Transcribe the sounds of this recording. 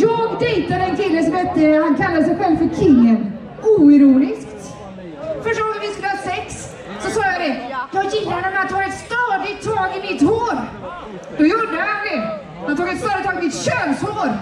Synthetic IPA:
jɔːɡd̪ɛjt̪ad̪əɛnkʰɪlːəsɔmhɛt̪ːəhankʰalːad̪əsɛjɧɛlvfœɾkʰɪlːən | uːɪɾuːnɪskt̪ | fœʂʈuːɛvɪskələasɛks | sɔsɑːjad̪ɛjɑjɪlːaɾhɛnːəmɛat̪hɑːɛt̪st̪ɑːd̪ɪt̪ʰːɑːɡɪnɪt̪hoːɾ | d̪ɔjuɖəhand̪ɛ | hant̪ʰuːɡɛt̪st̪œːɾət̪ʰɑːɡɪmɪt̪ɕøːnshoːɾ

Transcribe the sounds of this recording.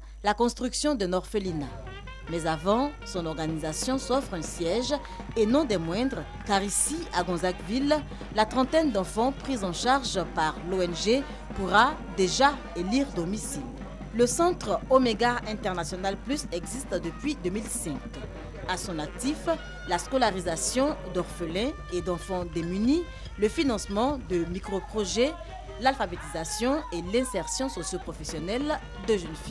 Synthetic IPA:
lakɔ̃st̪χyksjɔ̃d̪ənɔʁfelina | mɛzavɑ̃sɔ̃nɔʁɡanizasjɔ̃sɔfχɛ̃sjɛʒ | enɔ̃d̪ɛmwɛ̃d̪ʁə | kaʁisiaɡɔ̃zakvilː | at̪χɑ̃t̪ɛnd̪ɑ̃fɑ̃pχizɑ̃ʃaʁʒpaʁloɛnʒe | puʁa | d̪eʒa | eliʁd̪ɔmisil | ləsɑ̃t̪χomeɡaɛ̃t̪ɛʁnasjɔnalplysɛkzist̪d̪əpɥid̪ømilsɛ̃k | asɔ̃nak̚t̪if | laskɔlaʁizasjɔ̃d̪ɔʁfəlɛ̃ | ed̪ɑ̃fɑ̃d̪emyni | ləfinɑ̃smɑ̃d̪əmikχopχoʒɛ | lalfabet̪izasjɔ̃elɛ̃sɛʁsjɔ̃sɔsjopχɔfɛsjɔnɛl | d̪əʒɛnfi

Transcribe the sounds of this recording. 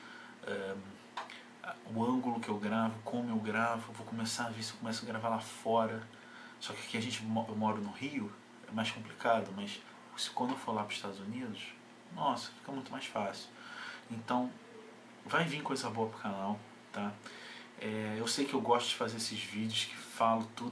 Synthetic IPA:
ɛ | ʊɐ̃ɡʊlʊkɪewɡɾavʊkʰõmʊewɡɾavʊvowkomesavesɪewkõmɛsʊaɡɾavalafɔɾɐ | sɔkɪkẽɐʒẽnt͡ʃɪmɔewmɔɾʊnʊhiʊ | ɛmajʃkõmplikad̪ʊmɐs | sɪ̥kwɐ̃nd̪ewfolapɾʊziʃt̪ad̪ʊzunid̪ʊs | nɔsɐ̥fi̥kɐmũt̪ʊmajʃfasɪʊ̥ẽnt̪ɐ̃w̃ | vajvĩkojzɐboɐpɾʊkanaw | t̪a | ɛewsejkɪewɡɔʃt̪ʊd͡ʒɪfazeɾesɪzvid͡ʒɪʊskɪ̥falʊt̪ud̪

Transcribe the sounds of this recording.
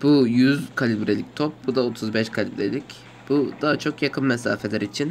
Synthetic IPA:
b̥ujyzkʰalʲibɾelʲic̚t̪ʰop̚bud̪ao̞t̪ʰuzbɛʃkʰalʲibɾḛlʲic | b̥ud̪aɦat͡ʃʰo̞kjakʰɯnmɛsa̰ːfelʲæɾit͡ʃʰin

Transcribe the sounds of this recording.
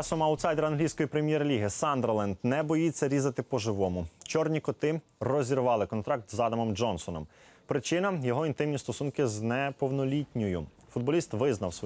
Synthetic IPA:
ɑsɔmɐwt̪sɑjd̪eɾɐnɦlʲijsʲkɔjipɾemʲjɛrlʲiɦɪsɑnd̪ɾlˠɛnd̪nɛbɔjit͡sʲːɐɾʲizɐt̪ɪpɔʒɪʋɔmʊt͡ʃɔrnʲikɔt̪ɪrɔzʲiɾʋɑlˠɪkɔnt̪ɾɑk̚t̪zɑd̪ɐmɔmd͡ʒɔnsɔnɔ̰m | pɾɪt͡ʃɪnɐjɔɦɔint̪ɪmnʲist̪ɔsunkɪznɛpɔwnɔlʲitʲnʲɔjʊ | fʊd̪̚bɔlʲist̪ʋɪznɐwsɔ

